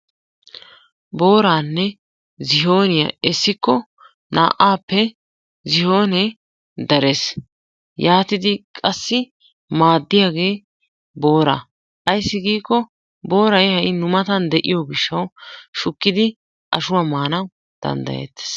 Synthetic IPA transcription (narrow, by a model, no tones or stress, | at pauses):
bo̞ːɾaːnːɛ | zɪɦo̞ːnɪjɐ̰ɛsːɪkːɔ | na̰ːʔaːpːɛ | zɪho̞ːnɛ | d̪ɐɾes | jaːt̪ɪd̪ɪkʼɐsːɪ | maːd̪ːɪjaːɡe̞ː | bo̞ːɾa̰ː | ʔɐjsːɪɡiːkːɔ | bo̞ːɾɐjhɐjnʊmɐt̪ɐnd̪ɛʔɪjɔɡɪʃːɐwʃʊkːɪd̪ɪ | ʔɐ̰ʃʊwaːmaːnɐw | d̪̥ɐ̰nd̪ɐ̰jḛːt̪ːe̥s